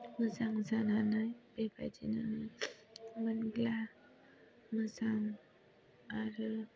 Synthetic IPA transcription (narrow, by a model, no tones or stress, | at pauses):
mɯzaŋzananajbeba̰tina | banɡla | mɯzaŋ | aɾɯ